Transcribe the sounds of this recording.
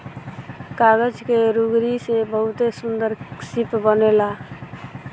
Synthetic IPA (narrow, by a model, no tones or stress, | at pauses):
kaɡəd͡ʒkeɾuɡɾisebəɦʊt̪esund̪əɾsipbənela